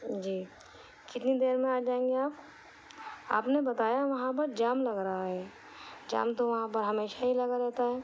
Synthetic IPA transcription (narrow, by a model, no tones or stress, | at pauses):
d͡ʒiː | kɪt̪nid̪eːɾmẽaːd͡ʒaːẽːŋɡeaːp | a̰ːpnebɐt̪aːjaʋɐɦãpɐɾd͡ʒaːmlɐɡɾaɦaɦɛː | d͡ʒa̰ːmt̪oʋɐɦãp̬ɐɾɦɐmeːʃaɦilɐɡaɾɛɦt̪aɦɛː